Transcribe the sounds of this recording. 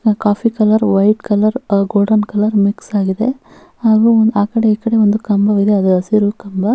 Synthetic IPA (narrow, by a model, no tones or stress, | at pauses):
kaːpʰikɐlɐɾʋɐjʈkɐlɐɾɡoːɖɐnkɐlɐɾmiksaːɡid̪e̞ | haːɡuːaːkɐɽe̞iːkɐɽe̞ond̪ukɐmbɐʋid̪eɐd̪uɐsiɾukɐmbɐ